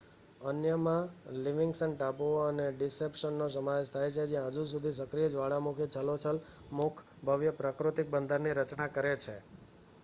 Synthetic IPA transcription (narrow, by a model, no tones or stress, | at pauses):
ənjəmãliʋɪŋɡsənʈaboəneɖɪsepʃənːosəmaʋed͡ʒt̪ʰajt͡ʃʰed͡ʒjãɦəd͡ʒus̬ud̪ʱisəkɾijəd͡ʒʋaɭamukʰit͡ʃʰəlot͡ʃʰəl | mukʰ | bʱəʋjəpɾakɾut̪ik̚bənd̪ʱəɾniɾət͡ʃnakəɾet͡ʃʰe